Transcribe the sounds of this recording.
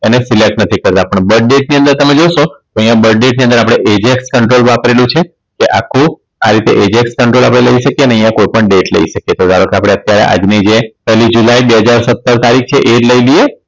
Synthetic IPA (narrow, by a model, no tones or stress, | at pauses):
enesilek̚ʈnət̪ʰikəɾt̪ãpəɳbəɖ̚ɖeʈniə̃nd̪əɾt̪əmed͡ʒoʃot̪oəjãbəɖɖeʈ̚niə̃nd̪əɾapɽ̃eʔed͡ʒekskəɳʈɾolʋapɾelũt͡ʃʰe | keʔakʰːũ | aɾit̪ḛʔed͡ʒekskəɳʈɾolapɽ̃eləiʃəkjeəneəɦjãkojpəɳɖeʈlə̰ḭʃəkjet̪od̪aɽəkapɽ̃eət̪jaɾḛʔa̰d͡ʒnid͡ʒepɛlid͡ʒulajbeɦəd͡ʒaɾsət̪ːəɾt̪aɾik̚ʰt͡ʃʰeʔed͡ʒləilie